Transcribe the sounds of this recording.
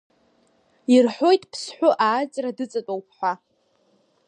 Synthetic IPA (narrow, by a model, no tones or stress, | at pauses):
irħo̞jtʼpʰsħʷʊʔaːt͡ʃʼradɨt͡sʼatʼowpʰħʷa